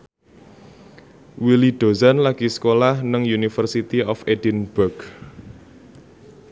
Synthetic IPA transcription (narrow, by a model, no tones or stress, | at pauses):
wiliɖ̥o̤zanlaɡ̥isə̥kolahnəŋjunifərsit̪iʔɔfedinb̥ərɡ̥